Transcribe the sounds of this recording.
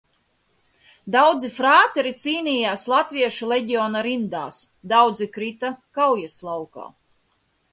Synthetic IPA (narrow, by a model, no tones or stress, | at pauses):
d̪awd̪zifɾaːt̪ɛɾit̪siːnʲiːjaːslˠat̪viɛʃuleɟʲiɔːnaɾind̪a̰ːs | d̪awd̪zikɾit̪akawjaslˠawka̰ː